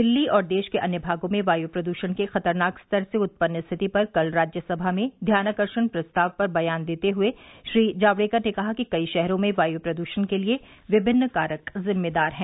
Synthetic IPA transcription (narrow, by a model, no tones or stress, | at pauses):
d̪ɪlːiɔːɾd̪eːʃkeʔɐnjəbʱaːɡõmẽʋaːjuːpɾɐd̪uːʃənkexɐt̪əɾnaːkst̪əɾseʊt̪̚pənːəst̪ʰɪt̪ipɐɾkɐlɾaːd͡ʒjəsɐbʱamẽd̪ʱjaːnakəɾʃənpɾɐst̪aːʋpɐɾbɐjaːnd̪eːt̪eɦʊeʃɾiːd͡ʒaːʋɽeːkəɾnekɐɦakikɐiʃɛɦɾõmẽʋaːjuːpɾɐd̪uːʃənkelie | ʋɪbʱɪnːkaːɾəkzɪmːed̪aːɾɦɛ̃ː